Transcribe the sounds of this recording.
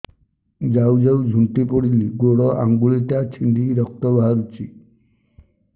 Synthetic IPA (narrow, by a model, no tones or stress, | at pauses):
d͡ʒawd͡ʒawd͡ʒʱuɳʈipɔɽiliɡoɽɔʔaŋɡuɭiʈat͡ʃʰiɳɖiɾɔk̚t̪ɔbaɦaɾut͡ʃʰi